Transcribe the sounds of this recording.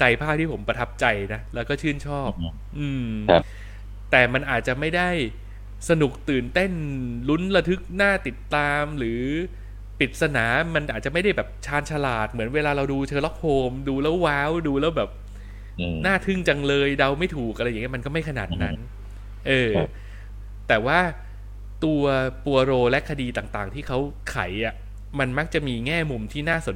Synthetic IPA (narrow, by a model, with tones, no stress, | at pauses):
t͡ɕa˧jpʰaː˥˩p̚t̪ʰiː˥˩pʰo˩˦mpɾa˧t̪ʰa˦˥p̚t͡ɕa˧jna˦˥lɛː˦˥wkɔː˥˩t͡ɕʰɯ˥˩ənt͡ɕʰɔː˥˩p̚ | ʔɯː˧m | t̪ɛː˨˩ma˧nʔaː˨˩t̪̚t͡ɕa˨˩ma˥˩jda˥˩j | sa˧nu˨˩k̚t̪ɯː˨˩nt̪e˥˩nlu˦˥nla˧t̪ʰɯ˦˥k̚naː˥˩t̪i˨˩t̪ːaː˧mɾɯː˩˦ | pi˨˩t̪̚sa˧naː˩˦ma˧nʔaː˨˩t̪̚t͡ɕa˨˩ma˥˩jda˥˩jbɛː˨˩p̚t͡ɕʰaː˦˥nt͡ɕʰa˧laː˨˩t̪̚mɯ˩˦ənweː˧laː˧ɾa˧wduː˧t͡ɕʰɤː˧lɔ˦˥p̚hoː˧mduː˧lɛ˦˥˩wːaː˦˥wduː˧lɛː˦˥wbɛː˨˩p̚ | naː˥˩t̪ʰɯ˥˩ŋt͡ɕa˧ŋlɤː˧jda˧wma˥˩jt̪ʰuː˨˩k̚ʔa˧ɾa˧ja˨˩ŋ˦˥m˧nkɔː˥˩ma˥˩jkʰa˧na̰ː˨˩t̪̚na˦˥n | ʔɤː˧ | t̪ɛː˨˩waː˥˩ | t̪u˧ɐpu˧ɐ˧ɾoː˧lɛ˦˥kʰa˧diː˧t̪aː˨˩ŋt̪aː˨˩ŋt̪ʰiː˥˩kʰa˦˥w | kʰa̰˩˦jʔa˨˩ʔ | ma˧nma˦˥k̚t͡ɕa˨˩ʔmiː˧ŋɛː˥˩mu˧mt̪ʰiː˥˩naː˥˩so˨˩˦